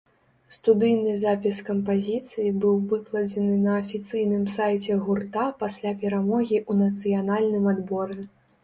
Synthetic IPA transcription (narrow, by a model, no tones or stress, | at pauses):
st̪ud̪ɨjnɨzapʲiskɐmpazʲit̪sɨjibɨwvɨklˠɐd͡zʲɛnɨnɐːfʲit̪sɨjnɨmsajt͡sʲɛɣurt̪apasʲlʲapʲɛɾamɔɣʲiʔunɐt̪sɨjanalʲnɨmad̪bɔɾɛ